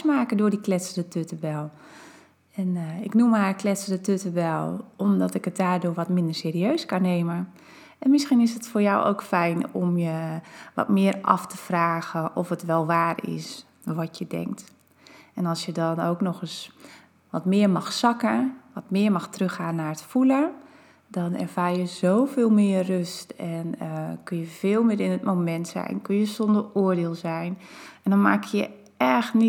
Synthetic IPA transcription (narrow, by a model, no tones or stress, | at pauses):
smaːkədʊːdiklɛtsəndətʰøtəbɛlˠ | ɛnɪknumarklɛtsəndətøtəbɛlˠɔmdɔtɪkət̚daːrdʊːʋɔtmɪndərseːɾiøːskanːeːmə | ɛnmɪsxinɪsətfoːɹjawʔo̰wkfɛjnɔmjəʋɔ̰tmɪərʔɑ̰ftəfraːɣəɔfətʋɛlˠʋaːrɪ̰s | ʋɔtjədɛ̰ŋk̚t | ɛnɔlˠsjədɔnoːknɔxəs | ʋɔtmɪərmɑxsɑkəʋɔtmɪəɹmɑxtrøxaːnːaətfulə | dɔnɛ̰rvaːrjəzoːwvɪːlˠmɪːərrøstɛnəkønjəvɪːlˠmɪɾɪnətmomɛntsɛ̰jnkønjəsɔndəroərdɪːlˠzɛjnɛndɔnma̰ːkjə̰ | ɛxtni